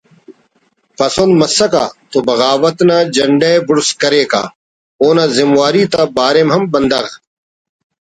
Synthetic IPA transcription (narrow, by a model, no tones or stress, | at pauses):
pɐsonmɐsːɐka̰ːt̪obɐɣaːʋɐt̪naːd͡ʒɐɳɖebʊɽskɐɾeːka̰ː | oːnazɪmwaːɾiːt̪abaːɾemɦɐmbɐnd̪ɐɣ